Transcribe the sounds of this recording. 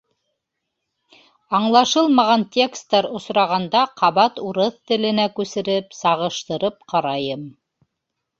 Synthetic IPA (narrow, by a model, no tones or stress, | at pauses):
ɑɴlˠɑʃɤlˠmɑʁɑnt̪ʲe̞kst̪ːɑɾŏsɾɑʁɑnd̪ɑqʰɑβɑt̪uɾɤθt̪ɘ̆lɘ̆nækʉsɘ̆ɾɘpsɑʁɤ̆ʃt̪ɤ̆ɾɤp̚qɑɾɑjɤm